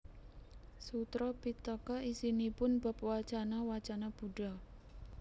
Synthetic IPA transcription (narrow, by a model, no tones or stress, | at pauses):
sut̪ɾɔpit̪ɔkɔisinipʊnba̤p̚wat͡ʃanawat͡ʃanab̥uɖ̥a̤